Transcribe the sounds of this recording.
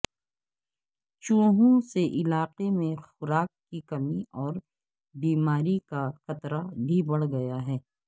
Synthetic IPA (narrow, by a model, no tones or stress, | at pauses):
t͡ʃũːɦũseʔɪlaːqemẽxʊɾaːkːikɐmiɔːɾ | biːmaːɾikaxɐt̪ɾabʱibɐɽ̤ɡɐjaɦɛː